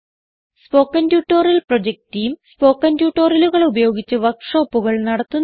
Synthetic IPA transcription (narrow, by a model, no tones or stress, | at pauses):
spo̞ːkːɐndjuːʈːoːrilprod͡ʑek̚tijumspo̞ːkːɐntjuːʈːo̞ːrɐluɣɐɭubɐjo̞ːɡit͡ɕːɨʋɐkʂoːpːuɣɐɭnɐɽɐt̪ːun